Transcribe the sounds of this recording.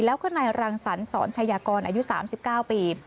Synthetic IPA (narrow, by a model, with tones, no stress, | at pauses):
lɛː˦˥wkʰa˧˥˩naː˧jɾaː˧ŋsa˩˦nsɔ̰ː˩˦nt͡ɕʰaː˧jaː˧kɔː˧nʔaː˧ju˦˥ʔsaː˩˦msi˨˩p̚kaː˥˩wpiː˧